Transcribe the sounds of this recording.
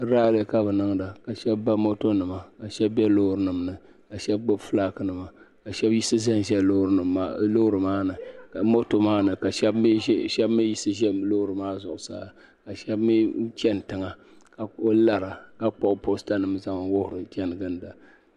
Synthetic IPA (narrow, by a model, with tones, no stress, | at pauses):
ɾaː˦le˦ka˦bɨ˨nɨ˦ŋda˨ka˨ʃɛ˦bːa˦mo˦to˦nɨ˨ma˨ka˨ʃɛ˦bbɛ˦lo˦ɾɨ˦nɨ˨mnɨ˨ | ka˨ʃɛ˦b̚bo˦˨flaː˦kɨ˦nɨ˨ma˨ | ka˨ʃɛ˦bji˦sɨ˦zɛ˦n˨ʒɛ˦ɾlo˦hɾɨ˨maː˦nɨ˨ka˨mo˦to˨maː˦nɨ˨ka˨ʃɛ˦bʃɛ˦bmi˦ji˦sɨ˦ʒɛ˦lo˦ʊ˦ɾɨ˨maː˦zʊ˨ʔʊ˨sa̰ː˦˨ | ka˨ʃɛ˦bmi˦t͡ʃɛ˦n˨tɨ˨ŋa˨ | ka˨o˦la˨ɾa˨ka˦k͡pɔ˦˨ʔpo˦sta˦nɨ˨mza˦ŋ˨wʊ˦hʊ˨ɾɨ˨t͡ʃɛ˦nɨ˨ɡɨ˦n˨da˨